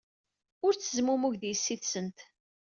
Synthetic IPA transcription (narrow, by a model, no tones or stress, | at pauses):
ʊɾt͡sːəzmumʊʝðjəsːiθsənt̪